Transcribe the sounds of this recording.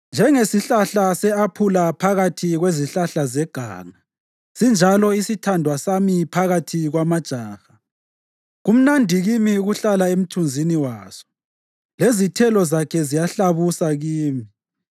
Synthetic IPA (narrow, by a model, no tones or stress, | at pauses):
nd͡ʒʱɛŋesiɬaɬasɛapʰulapʰaɣatʰiɣweziɬaɬazɛɡ̥ʱa̰ːŋa | z̥ind͡ʒʱalɔisitʰandʱwasamipʰaɣatʰiɣwamad̥ʒ̥ʱaːxa | ɣum̩nandʱiɣimiuɣuɬalaem̩tʰund͡zʱiniwaːz̥ɔ̥ | lezitʰɛlɔzakʰɛzijaɬaβusaɣiːmi